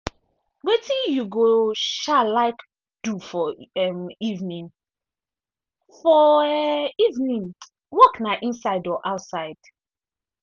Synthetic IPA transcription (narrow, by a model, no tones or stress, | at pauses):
wetĩjuɡoʃalaɪk | d̥ufɔɛmivnĩn | fɔɛivnĩn | wɔknaʔĩnsaɪdɔʔaʊtsaɪd̥